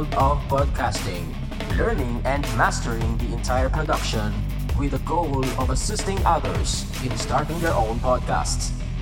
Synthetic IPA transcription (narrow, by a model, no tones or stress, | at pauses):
dɔvbɹɔd̚kʰæstɪ̃ŋ | lɛɹnɪ̃ŋɛ̃ndmæstəɹɪ̃ŋd̪iɛ̃ntʰajəɹpɹɔdʌkʃɔ̃n | wɪðəɡoʊlɔvəsɪstɪ̃ŋʌðəɹs | ɪ̃nstɑɹtɪ̃ŋd̪ɛɹʔõʊ̃npʰɔd̚kʰæ̰sts